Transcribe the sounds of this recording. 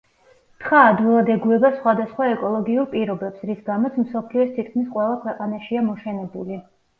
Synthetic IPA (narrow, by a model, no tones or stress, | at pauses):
t̪ʰχaːd̪vilˠad̪ɛɡuɛbasχwad̪asχwaɛkʼɔlˠɔɡiuɾpʼiɾɔbɛpsɾisɡamɔt̪sʰmsɔpʰliɔst̪ʰit̪̚ʰkʰmisqʼwɛlˠakʰwɛqʼanaʃiamɔʃɛnɛbuli